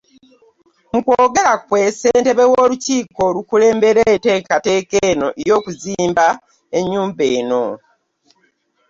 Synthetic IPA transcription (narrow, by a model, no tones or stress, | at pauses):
mukwoːɡe̞lakwe̞ːse̞ːnte̞βewoːluciːko̞lukule̞ːmbe̞ɾeteːkate̞ːkeno̞ʔejo̞ːkuziːmba | eɲːuːmbeːno̞